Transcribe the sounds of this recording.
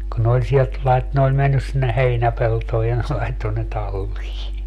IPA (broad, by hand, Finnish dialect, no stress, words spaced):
kun ne olʲ sielt lɑit ne olʲ menːys sinːe heinæpeltoːj jɑ ne lɑitːo ne tɑlːiː